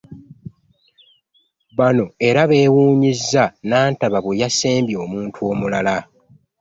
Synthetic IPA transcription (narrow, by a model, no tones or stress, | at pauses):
βano̞e̞ɾaβe̞ːwuːɲizːanaːntaβaβwejaseːmbjo̞ːmuːntʰuo̞ːmulala